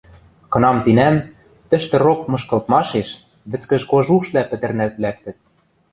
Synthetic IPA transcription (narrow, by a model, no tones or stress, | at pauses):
kɤ̆nɑmt̪inæn | t̪ɘ̆ʃt̪ɘ̆rok̚mɤ̆ʃkɤ̆lt̪mɑʃeʃ | βɘ̆t͡skɘ̆ʒkoʒuʃlæpɘ̆t̪ɘ̆rnælt̪̚læk̚t̪ɘ̆t̪̚